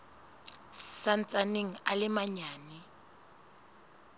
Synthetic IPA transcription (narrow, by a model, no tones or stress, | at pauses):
san̩t͡sʼaneŋ̩alɪmaɲaːnɛ